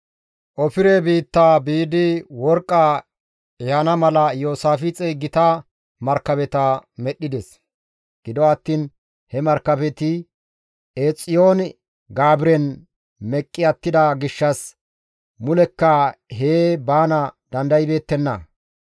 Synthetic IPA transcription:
ʔɔfɪɾɛbiːt̪ːaːbiːd̪ɪwɔɾkʼːa | jaːnɐmɐlɐjoːsaːfɪt͡sʼeɡːɪt̪ɐ | mɐɾkːɐbɛt̪ɐmɛɗːɪd̪ɛs | ɡ̥ɪd̪ɔɐt̪ːiːn | hɛmɐɾkːɐbɛt̪ɪ | ʔeːt͡sʼːɪjoːn | ɡaːbɪɾɛn | mɛkʼːɪɐt̪ːɪd̪ɐɡɪʃːɐs | mʊlɛkːɐɦeːbaːnɐd̪ɐnd̪ɐjɪbe̞ːt̪ːɛnːɐ̰

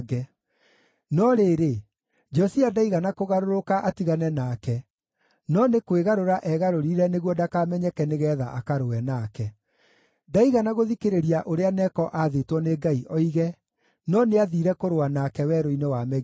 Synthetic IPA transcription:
ɡɛ | nɔɾeːɾe | d͡ʒɔsiadaiɣanakoɣaɾoɾokaʔatiɣanɛnaːkɛ | nɔnekweɣaɾoɾaʔɛɣaɾoɾiɾɛneɣwɔdakaːmɛɲɛkɛneɣɛða̰ʔakaɾowɛnakɛ | daiɣanaɣoðikeɾeɾiaʔoɾeanɛkɔʔaðetwɔneɡaiʔɔiɣɛ | nɔneaðiɾɛkoɾoanakɛwɛːɾoinewamɛɣ

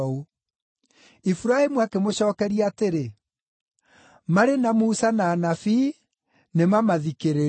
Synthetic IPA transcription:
u | ifuɾaemuakemoɕɔːkɛɾiateɾe | maɾenamusanaːnafi | nemamaðikeɾe

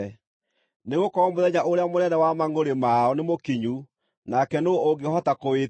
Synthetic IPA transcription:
neɣokɔmoðɛɲaʔoɾeamonɛndɛwamaŋɡoɾemaɔnemokiɲu | nakɛnooɡehɔtakowe

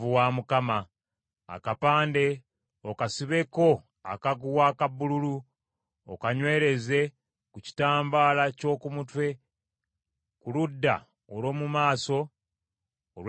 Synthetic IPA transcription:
vuwaːmukama̰ː | kapaːnde̞ | okasiβe̞ko̞ | a̰kaɡuwaːkabululu | o̰kaɲwe̞ːɾe̞ze̞ | kuci̥taːmbaːlaco̞ːkumutwe̞ | kuludːa̰ | olo̞ːmumaːso̞ | lw

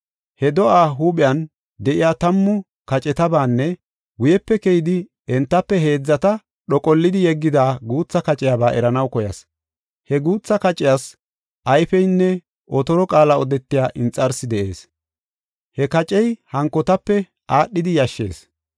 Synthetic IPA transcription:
hɛd̪ɔʔaːɦuːɓɪjɐn | d̪ɛʔɪjaːt̪ɐmːʊ | kɐt͡ʃʼɛt̪ɐbaːnːɛ | wʊjɛpːɛkɛjɪd̪ɪ | ɛnt̪ːɐpːɛɦe̞ːd͡zːɐt̪ɐ | ɗɔkʼɔlːɪd̪ɪjɛɡːɪd̪aːɡuːt͡sːɐkɐt͡ʃʼɪjaːbaːʔɛɾɐnɐwkɔjɐs | hɛɡuːt͡sːɐkɐt͡ʃʼɪjaːs | ʔɐjfɛjnːɛ | ʔɔt̪ɔɾɔkʼaːlɐɔd̪ɛt̪ːɪjaːʔɪnt͡sʼːɐɾsɪd̪ɛʔe̞ːs | hɛkɐt͡ʃʼɛjhɐŋkːɔt̪ɐpːɛ | aːɗːɪd̪ɪjɐʃːe̞ːs

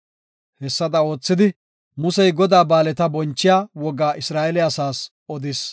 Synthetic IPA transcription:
hɛsːɐd̪ɐo̞ːt͡sːɪd̪ɪ | mʊsɛjɡɔd̪aːbaːlɛt̪ɐbɔnt͡ʃːɪjaːwɔɡaːʔɪsɾaːʔɛlɪɐsaːs | ɔd̪ɪs

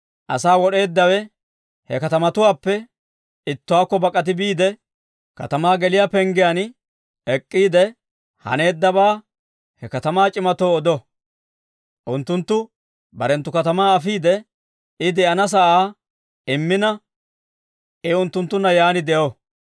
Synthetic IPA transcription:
ʔɐ̰saːwɔɗe̞ːd̪ːɐwɛ | hɛkɐt̪ɐmɐt̪ʊwaːpːɛ | ɪt̪ːʊwaːkːɔbɐkʼːɐt̪̬ɪbiːd̪ɛ | kɐ̰t̪ɐmaːɡɛlɪjaːpɛŋɡɪjan | ɛkʼːiːd̪ɛ | hɐ̰ne̞ːd̪ːɐbaː | hɛkɐt̪ɐmaːt͡ʃʼɪmɐt̪o̞ːd̪ɔ | ʔʊnt̪ːʊnt̪ːʊ | bɐɾɛnt̪ːʊkɐt̪ɐmaːɐfiːd̪ɛ | ɪd̪ɛʔɐnɐs̬ɐʔaː | ɪmːɪnɐ | ʔɪʊnt̪ːʊnt̪ːʊnːɐjaːnɪd̪ɛʔo

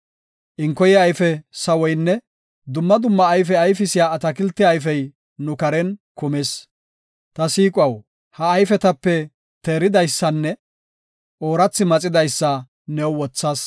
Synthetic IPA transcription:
ʔɪŋkːɔjɪɐjfɛsɐwɔjnːɛ | d̪ʊmːɐd̪ʊmːɐːjfɛɐjfɪsɪjaːɐt̪ɐkɪlt̪ːɪɐjfɛj | nʊkɐɾɛnkʊmes | t̪ɐsiːkʼwɐw | hɐːjfɛt̪ɐpːɛ | t̪eːɾɪd̪ɐjsːɐnːɛ | ʔoːɾɐt͡sːɪmɐt͡sʼɪd̪ɐjsːɐ | nɛwwɔt͡sːɐːs

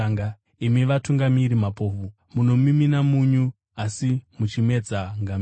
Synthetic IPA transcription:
aŋɡa | imiʋatuŋɡamiɾimapo̞ːfu | muno̞miminamuɲu | asimut͡ʃime̞d͡zaŋɡam

